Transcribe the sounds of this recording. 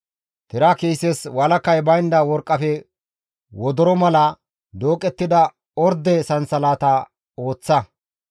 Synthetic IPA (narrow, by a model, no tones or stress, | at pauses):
t̪ɪɾakejseswɐlɐkːɐjbɐjɪnd̪ɐwɔɾkʼːɐfɛ | wɔd̪ɔɾɔmɐlɐ | d̪oːkʼɛt̪ːɪd̪ɐ | ɔɾd̪ɛsɐnsɐlaːt̪ɐ | o̞ːt͡sːɐ